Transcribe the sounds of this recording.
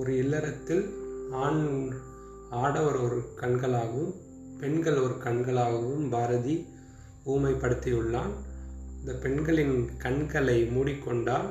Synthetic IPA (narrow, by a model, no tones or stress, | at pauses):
ɔɾɯɪlːɐɾɐt̪ːɪlaːn | aːɽɐʋɐɾɔɾɯkɐɳɡɐɭaːɣɐʋɯm | pɛɳɡɐɭɔɾɯkɐɳɡɐɭaːɣɐʋɯmbaːɾɐði | uːmɐɪpːɐɽɯt̪ːɪjɯɭːaːnɪnd̪ɐpɛɳɡɐɭɪnkɐɳɡɐɭɐɪmuːɽɪkːɔɳɖaːl